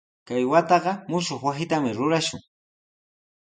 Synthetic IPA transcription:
kajwat̪ɑɢɑmʊʃoχwasɪt̪amɪɾʊɾaʃʊ̰ŋ

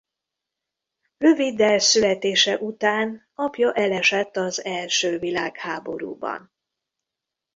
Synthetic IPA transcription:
rø̞vid̪ːɛlsylɛt̪eːʃɛʔut̪aːn | ɒpjɒʔɛlɛʃɛt̪ːɒzɛlʃøːvilaːkhaːbo̞̰ɾṵːbɒ̰n

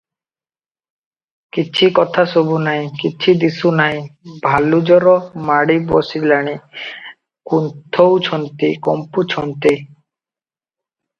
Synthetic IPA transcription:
kit͡ʃʰikɔt̪ʰasobunaĩkit͡ʃʰid̪isunaĩbʱalud͡ʒɔɾɔmaɽibɔsilaɽ̃i | kunt̪ʰɔwt͡ʃʰɔnt̪ikɔ̰mput͡ʃʰɔnt̪i

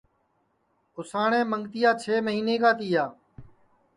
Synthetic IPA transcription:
ʊsaːɳẽːməŋɡt̪ɪjaːt͡ʃʰeːməɦiːneːkaːt̪iːjaː

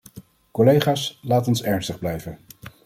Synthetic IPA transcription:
kɔlejχaːslaːtɔnsɛɹnstəχblɛjvə

